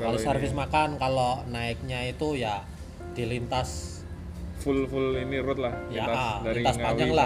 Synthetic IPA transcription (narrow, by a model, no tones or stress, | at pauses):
kalosərvɪsmakankalonaɪk̚ɲait̪uja | d̥ilint̪as | fulfʊliniɾʊt̪̚lahjaaint̪asŋpad͡ʒaŋlah